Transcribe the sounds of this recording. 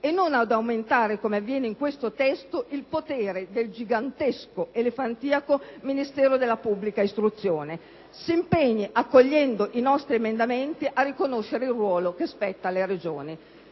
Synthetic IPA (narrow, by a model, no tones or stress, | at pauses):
enːonad̪awment̪aːɾekomeavːjɛːneiŋkwest̪ot̪ɛst̪oʔilpot̪eːɾed̪eld͡ʒiɡant̪eskoelefant̪iːakominist̪ɛːɾod̪elːapubːlikaist̪ɾut̪sːjoːne | siːmpeɲːiʔakːoʎːɛnd̪oʔinɔst̪ɾiemend̪ament̪iʔarːikonoʃːeɾeilrːwɔːlokespɛt̪ːaleɾed͡ʒoːni